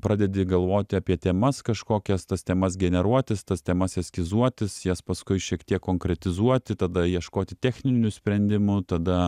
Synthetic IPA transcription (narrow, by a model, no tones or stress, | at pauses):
pɾɑːd̪ʲɛd̪ʲɪɡɐlˠʋoːt̪ʲɪɐpʲiɛt̪ʲɛmɐskɐʃkoːkʲɛst̪ɐst̪ʲɛmɐsɡʲɛnʲɛɾuɔt̪ʲɪst̪ɐst̪ʲɛmɐsɛsʲkʲɪzuɔt̪ʲɪsjɛspɐskʊɪʃʲiɛkt̪ʲiɛkkːoːŋkɾʲɛt̪ʲɪzuɔt̪ʲɪt̪ɐd̪ɐjiɛʃkoːt̪ʲɪt̪ʲɛːxʲnʲɪnʲʊsʲpʲɾʲɛnʲd̪ʲɪmʊt̪ɐd̪ɐ